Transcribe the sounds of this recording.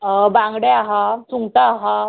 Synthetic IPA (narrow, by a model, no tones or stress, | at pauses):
bãŋɡɽeaɦat͡suŋt̪aːɦa